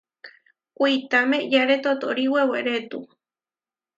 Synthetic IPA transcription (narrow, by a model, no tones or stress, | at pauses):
kʷit̪amẽjaɾet̪ot̪oɾiweweɾet̪u